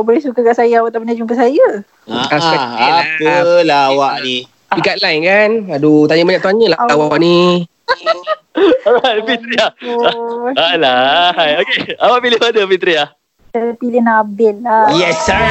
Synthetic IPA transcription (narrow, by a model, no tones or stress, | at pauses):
bəɾisukakaʔsajəawat̪apənad͡ʒumpəsajə | aɛakəlaawaʔni | ikat̪̚lajnkanadut̪aɲəbaɲaʔt̪uanɲəlaawaaʔni | ajfit̪ɾiah | alaɦjokeawaʔpilɪhadəpit̪ɾiah | sapilɪnabɪlajɛs